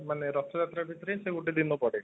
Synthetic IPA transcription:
maneɾɔst̪ːɔd͡ʑat̪ɾabʱit̪ːɾeseuɖed̪inupɔɽe

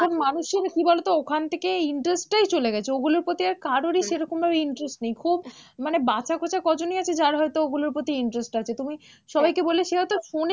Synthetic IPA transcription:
kʰonmanuʃeɾkibalot̪ookʰant̪ʰekeiɳʈɾesʈʈajt͡ɕoleɡɛt͡ɕʰeoɡuluɾpɾot̪iaɾkaɾoɾiʃeɾɔkombʱabeiɳʈɾesʈnejkʰub | manebat͡ɕʰakʰot͡ɕakɔd͡ʑoniat͡ɕʰed͡ʑaɾɦɔet̪ooɡuluɾpɾot̪iiɳʈɾesʈat͡ɕʰet̪umi | ʃɔbajkeboleʃeɦɔjt̪oʃone

